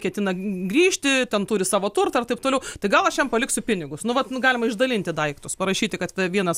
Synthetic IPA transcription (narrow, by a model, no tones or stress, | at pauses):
kʲɛt̪ʲɪnɐɡɾʲiːʃʲt̪ʲɪtʲɛnt̪uːɾʲɪsɑːʋoːt̪ʊrt̪ɐɐrt̪ɐɪp̚t̪oːlʲɛʊt̪ɐɪɡɐlˠɐʃjɛmpɐlʲɪksʲʊpʲɪnʲɪɡʊsnʊʋɐt̪nʊɡɑːlʲɪmɐɪʒd̪ɐlʲɪnʲt̪ʲɪd̪ɐɪkt̪ʊspɐɾɐʃʲiːt̪ʲɪkɐt̪ʋʲɛʋʲiɛnɐs